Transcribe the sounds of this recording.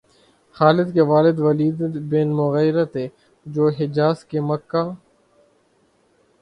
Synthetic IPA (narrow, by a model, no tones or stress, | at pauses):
xaːlɪd̪keʋaːlɪd̪ʋəliːd̪beːnmʊɣəjɾət̪ɦeː | d͡ʒoːɦɪd͡ʒaːskeːməkːaː